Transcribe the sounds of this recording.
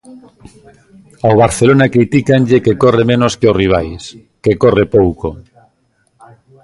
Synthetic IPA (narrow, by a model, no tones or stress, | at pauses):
awβ̞aɾθelonakɾit̪ikaɲʎekekoremẽnoskeoriβ̞ajs | kekorepowko